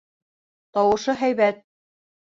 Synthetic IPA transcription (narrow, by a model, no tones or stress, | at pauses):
t̪ɑwɤ̆ʃɤɦæjβæt̪̚